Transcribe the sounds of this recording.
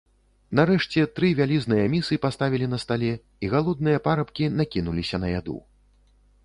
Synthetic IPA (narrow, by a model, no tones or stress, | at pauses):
naɾɛʂt͡sʲɛt̪ɾɨvʲalʲiznɨjɐmʲisɨpast̪avʲilʲin̪ɐst̪alʲɛ | iɣalˠɔd̪̚nɨjɐpaɾɐpkʲinakʲinulʲisʲɐnɐjad̪ṵ